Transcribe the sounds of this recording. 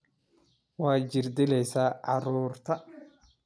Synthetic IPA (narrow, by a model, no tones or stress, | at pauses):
wɑːd͡ʒɪrd̪ɪlɛjsaːʕɑɾuːrt̪ʰɐ